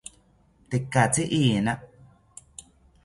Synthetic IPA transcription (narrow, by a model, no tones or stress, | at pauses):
t̪ekːat͡siʔiːnaʔ